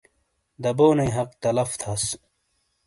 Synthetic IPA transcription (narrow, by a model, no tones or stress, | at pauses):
d̪ɐboːnejɦɐq̚t̪ɐlɐft̪ʰɐs